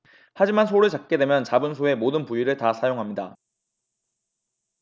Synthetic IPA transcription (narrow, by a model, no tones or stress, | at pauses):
had͡ʑimansʰoɾɯɭt͡ɕak̚k͈e̞dwe̞mjʌnt͡ɕabɯnsʰoe̞modɯnpuiɾɯɭtasʰajoŋɦamɲida